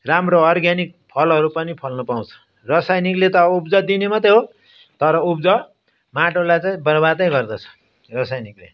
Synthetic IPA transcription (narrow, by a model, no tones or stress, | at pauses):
ramroʌrɡjanik̚pʰʌlʌɾupʌnipʰʌlnʌpaw̃t͡sʰʌ̥ | rʌsajniklet̪ʌupd͡zʌd̪inemat̪eɦo | t̪ʌɾʌupd͡zʌ | maʈolajt͡saĩbʌrbad̪ʌj̃ɡʌrd̪ʌt͡sʰʌ̥ | rʌsajniklḛ